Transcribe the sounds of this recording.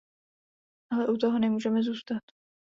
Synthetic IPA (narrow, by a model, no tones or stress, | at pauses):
ʔalɛʔut̪oɦonɛmuːʒɛmɛzuːst̪at̪